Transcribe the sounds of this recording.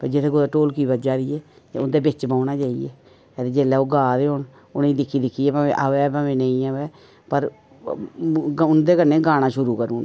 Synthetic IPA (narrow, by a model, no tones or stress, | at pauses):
pəd͡ʒɪt̪ʰeːkod̪aʈoːlkiːbəd͡ʒaːɾieː | ʊnd̪eːbɪt͡ʃbaːʊnaːt͡ʃaːḭɛ̰ː | ɛd̪ed͡ʒeːlɛːoːɡaːɾeːɦon | ʊnĩːd̪ɪkʰːiːd̪ɪkʰːiːɛːpãːʋḛːʔəʋɛːpãːʋẽːnə̃ĩːəʋɛː | pəɾ | ʊnd̪eːkəneːɡaːɽ̃aːʃʊɾuːkəɾuːnː